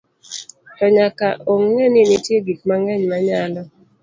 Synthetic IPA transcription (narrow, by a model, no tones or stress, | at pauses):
tɔɲakaʔoŋːɛnɪnɪtjeɡikmaŋɛɲmaɲalɔ